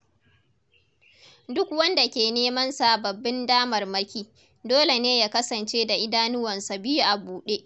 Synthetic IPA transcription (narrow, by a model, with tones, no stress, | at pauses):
dʊ˦kwɐ˦nda˨kʲeː˨neː˦mɐ˦nsa˨bɐ˨bːɪ˦ndaː˦mɐ˨rmɐ˦kʲiː˦ | doː˦le˨neː˦jaː˦kɐ˦sɐ˨nt͡ʃeː˦da˨ʔɪ˦daː˦nʊ˦wɐ˨nsa˨bɪ˦ju˦ʔa˨buː˨ɗeː˦ʔ